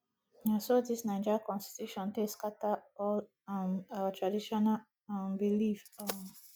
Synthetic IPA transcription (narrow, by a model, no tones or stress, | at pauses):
nasodisnãɪ̃nd͡ʒakɔ̃nsti̥tjuʃɔ̃nteskataɔl | atʰɹadiʃɔna | ambilifa